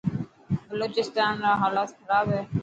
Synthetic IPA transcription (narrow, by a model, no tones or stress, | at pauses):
bəloːt͡ʃɪst̪aːnɾaɦaːlaːt̪kʰəɾaːbɦɛː